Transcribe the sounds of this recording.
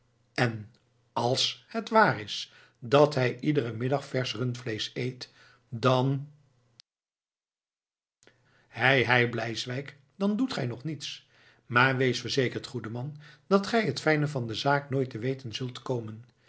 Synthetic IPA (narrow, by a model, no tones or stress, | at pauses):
ɛn | ɑlˠshətʋaːrɪs | dɑtɦɛjʔidəɾəmɪdɑχfɛɹsrɵntflejsejt | dɑn | hɛjɦɛjblɛjsʋɛjk | dɑndutχɛjnɔχnits | maːɹʋejsfəɹzejkəɹtχudəmɑnd̥ɑtχɛjɦətfɛjnəvɑndəzaːknoːjtəʋejtənzɵlˠtkowmən